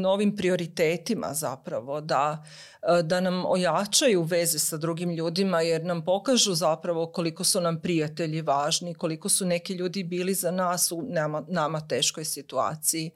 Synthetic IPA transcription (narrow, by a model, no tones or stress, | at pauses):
no̞ʋimpɾio̞ɾit̪eːt̪ima̰za̰pɾaʋo̞d̪a | d̪anamo̰jat͡ʃajuʋe̞zesad̪ɾuɡimʎuːd̪imajeɾnampo̞kaʒuzapɾaʋo̞ko̞liko̞sunampɾijat̪e̞ʎiʋaːʒniko̞liko̞sune̞kiʎuːd̪ibiːlizanaːsunamanamat̪e̞ːʃko̞jsit̪ua̰ːt̪siji